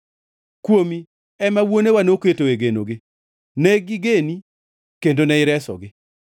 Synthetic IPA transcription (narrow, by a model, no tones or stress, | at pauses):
kwomi | ɛmawonewanoketoweɡenoɡɪ | nɛɡɪɡeni | kendonɛɪɾɛsɔ̰ɡɪ